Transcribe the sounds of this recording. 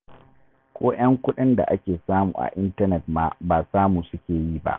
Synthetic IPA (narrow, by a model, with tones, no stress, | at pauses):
kʷoː˦j̰ɐ˦ŋkʷʊ˦ɗɪ˦nda̰˨ʔa˦kʲeː˨saː˦mṵː˨ʔa̰˨ʔɪ˦ntɐ˦nɛ˨t̚maː˦baː˨saː˦muː˨sʊ˦kʲeː˨ji˦ba̰˦ʔ